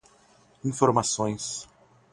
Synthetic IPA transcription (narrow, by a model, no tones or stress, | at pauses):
ĩfoɾmasõj̃s